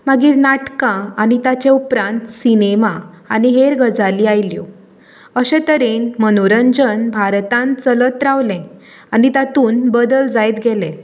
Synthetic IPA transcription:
maɡiːɾnaʈkãañit̪at͡ɕẽupɾãnt̪sinema | añiɦeɾɡʱəd͡zaliːajljo | əɕɛ̃t̪əɾenmənoɾənd͡ʑənbʱaɾt̪ãnt͡sələt̪ɾaʋlɛ̃ | anit̪at̪uːnbəd̪əld͡zajt̪ɡelẽ

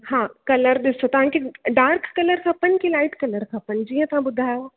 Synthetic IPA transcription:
hãːkɐləɾɗ̪ɪsot̪ɐʋ̤ãkʰeɖaːɾkːɐləɾkʰɐpənkilaːɪʈkɐləɾkʰɐpənd͡ʒiːɦə̃t̪ɐʋ̤ãbʊd̪ʱaːjo

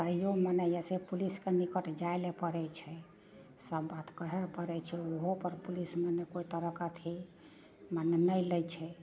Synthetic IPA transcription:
əijomənəjɛsepuliskenikəʈʰd͡ʒaelepəɾɛt͡ʃʰɛ | səbːat̪kəɦɛpəɾɛt͡ʃʰɛoɦopəɾpulismenekoit̪əɾəkat̪ʰi | mənenəjlɛjt͡ʃʰɛ

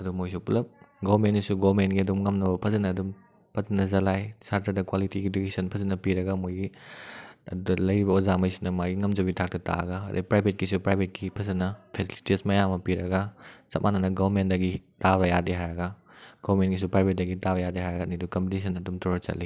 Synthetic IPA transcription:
ɐdumojsupulɐp̚ɡobɐɾmentɡisuɡoɾmentɡiɐdumŋɐmnɐbɐpʰɐzɐnɐːdum | pʰɐzɐnɐzɐlajsaɾtɐɾdɐkwalitiɡidokesɐnpʰɐzɐnːɐpiɾɐɡɐmojɡi | ɐ̰dudɐlɐjɾibɐozamɐjsunɐmaɡiŋɐmd͡ʒɐbitʰak̚tɐta̰ɐ̰ɡɐɐdɐ̰pɾajbʱet̚kisupɾajbʱet̚kipʰɐzɐnɐpʰesili̥tismɐjamɐpiɾɐɡɐt͡ʃɐp̚mʔanɐnɐɡɐbɐɾmendɐɡitaβɐjadiɦajɾɐɡɐ | ɡ̥ɔβɾmentɡis̬upɾajbʱet̚dɐɡitaβɐjadiɦajɾɐɡɐnidukɐmpitis̬ʰɐnɐdumtʰɔɾɐt͡ʃɐ̰li

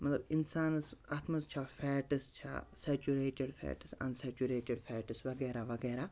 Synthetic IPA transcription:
mɐt̪lɐbinsaːnɐsat̪ʰmɐst͡ʃʰaːfʰɛːʈɐst͡ʃʰa̰ːsɛːt͡ʃuɾeːʈeɖfʰɛ̰ːʈɨsɐ̰nsɛːt͡ʃuɾeːʈeɖfʰɛːʈɐsʋɐɡɛːɾaʋɐɡɛːɾaː

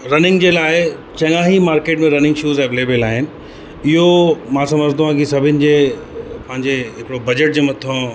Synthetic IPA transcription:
ɾɐnɪ̃ŋɡd͡ʑeːlaːɪ | t͡ɕɐ̃ŋaːɦimaːɾkeːʈmẽɾɐnɪ̃ŋɡʃuːzeːʋeleːbelaːɦɪnɪ̆ | ɪɦomãsɐ̃məd͡ʑʱt̪uãkisɐbʱɪnɪ̆d͡ʑeːpɐ̃ɦɪ̃ɲd͡ʑeɦɪkɪɽobɐd͡ʑəʈ̚d͡ʑeːmɐt̪ʰõ

